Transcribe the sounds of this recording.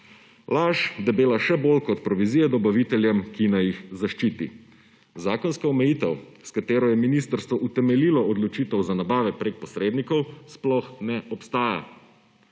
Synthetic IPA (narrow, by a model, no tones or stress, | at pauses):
laʒd̪ɛbeːlaʃɛbolkɔt̪̚pɾɔʋiziːjɛd̪ɔbaʋit̪ɛljɛmkinajixzaʃt͡ʃiːt̪i | zaːkɔnskaɔmɛjit̪ɛwskat̪eːɾɔjɛminist̪əɾst̪ʋɔʔut̪ɛmɛliːlɔɔd̪lɔt͡ʃit̪ɛwzanabaːʋɛpɾek̚pɔsɾeːd̪nikɔwsplɔxnɛʔɔpst̪aːja̰